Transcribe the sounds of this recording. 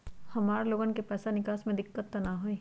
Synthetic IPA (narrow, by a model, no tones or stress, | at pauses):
hɐmaːɾloːɡənkepɛːsanɪkaːsmẽd̪ɪkːət̪ːɐnaɦoiː